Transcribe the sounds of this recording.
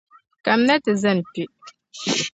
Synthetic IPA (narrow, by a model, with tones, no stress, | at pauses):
ka˨m˦na˦tɨ˨za˦˨n˨pi˨ʔ